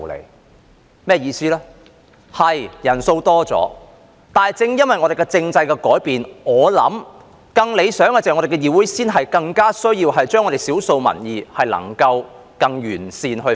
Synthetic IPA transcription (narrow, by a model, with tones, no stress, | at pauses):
lḛ˨˩ | mɛː˥jiː˧siː˥lɛː˥ | hɐ˨jjɐ˨˩nso˧wt̪ɔː˥t͡sɔ̰ː˨˥ | t̪aː˨jt͡sɪ˧ŋjɐ˥nwɐ˨jŋɔ˨˧ɾe˨˩kɛ˧t͡sɪ˧ŋt͡sɐ˧jkɛ˧kɔː˨˥jpiː˨nŋɔː˨˧lɐ̰˨˥m | kɐ˧ŋle˨˧jsœː˨˥ŋkːt͡sːŋɔ˨˧ɾe˨˩kɛ˧jiː˨˩wuː˨˥jsiː˥nɦɐ˨jkɐ˧ŋkaː˥sɵ˥ɥjiː˧wɦɐ˨jt͡ʃœː˥ŋɔ˨˧e˨jsiː˨˥wso˧wmɐ̰˨˩njiː˨˧hɐ˨jlɐ̰˨˩ŋkɐ˧w | kɐ˧ŋjyː˨˩nsiː˧nɦɵ˧